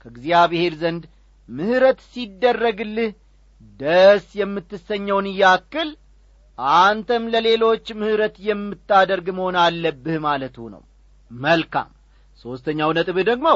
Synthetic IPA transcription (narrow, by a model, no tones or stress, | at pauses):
kʰəɡziaβehe̞ɾzənd̪ | mɨhɨɾət̪sid̪ːərːəɡɨlːɨh | d̪əsjɛmːɨt̪ːɨsəɲːəwnɨjːakːɨl | ʔant̪ʰəmləle̞lo̞t͡ʃːmɨhɨɾət̪jɛmːɨt̪ːad̪əɾɡməho̞nalːəbːɨhmalət̪hṵnə̰w | məlkʰa̰m | so̞st̪ʰəɲːawnət̪ʼɨβɨd̪əɡmo